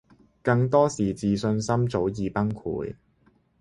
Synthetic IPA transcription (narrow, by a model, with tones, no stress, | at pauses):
kɐ˧ŋt̪ɔː˥siː˨˩t͡siː˨sɵ˧nsɐ˥mt͡so˨˥wjiː˨˧pɐ˥ŋkʰṵː˨˥j